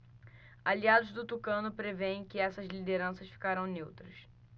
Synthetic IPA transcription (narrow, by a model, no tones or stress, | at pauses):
aliad̪ʊzd̪ʊt̪ukɐ̃nʊpɾevẽj̃kɪɛsɐzlid̪eɾɐ̃sɐʃfi̥kaɾɐ̃w̃newt̪ɾɐs